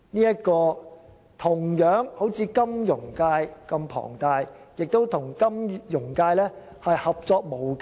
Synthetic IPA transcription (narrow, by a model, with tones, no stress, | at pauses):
niː˥jɐ˥t̚kɔː˧ | t̪ʰʊ˨˩ŋjœː˨˥ŋho˨˥wt͡sʰiː˧kɐ˥mjʊ˨˩ŋkaː˧jkɐ˧mpʰɔ̰ː˨˩ŋt̪aː˧jjɪ˨k̚t̪o˥wt̪ʰʊ˨˩ŋkɐ˥mjʊ˨˩ŋkaː˧jlɛː˥ | hɐ˨jhɐ˨p̚t͡sɔː˧k̚mo˨˩wk